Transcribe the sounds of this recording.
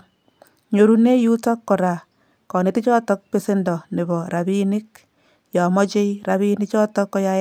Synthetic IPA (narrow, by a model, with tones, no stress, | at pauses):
ɲo˨ɾu˦ne˦ju˦tɔ˦kːɔ˨ɾa˨ | kɔ˨nɪ˨˦ti˦t͡ʃɔ˦tɔ˦k̚pe˦se˦ndɔ˨nɪ˨bɔ˨ɾa˨bi˦nɪ˦k | jɔ˨mɔ˦t͡ʃe˦jɾa˨βi˦nɪ˦t͡ʃɔ˦tɔ˦kːɔ˦ja˦